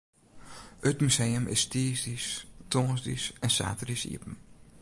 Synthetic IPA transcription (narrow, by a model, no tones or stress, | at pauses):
ətmysejəmʔɪ̰stiːsdistosdisɛnsa̰ːtərisḭəpm̩